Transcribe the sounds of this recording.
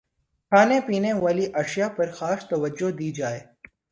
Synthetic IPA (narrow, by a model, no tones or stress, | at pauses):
kʰaːnepiːneʋaːliʔɐʃjapɐɾxaːst̪ɐʋəd͡ʒːod̪iːd͡ʒaːeː